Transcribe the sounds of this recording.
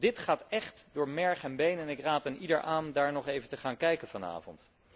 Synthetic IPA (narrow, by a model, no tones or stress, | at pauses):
dɪtχaːtɛχtdʊːɹmɛɹχɛnbejnɛnɪkraːtanidəɹʔaːndaːɹnɔχejvəntəχaːnkɛjkənvɑna̰ːvɔ̰nt